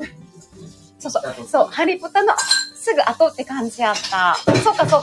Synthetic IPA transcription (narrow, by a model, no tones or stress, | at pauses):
soːsoso̞ːhaɾʲipo̞t̪ano̞ʔsɨɡɯ̟ʔat̪ot̪ːe̞kãɲ̟d͡ʑiat̪ːaso̞ːkːasoː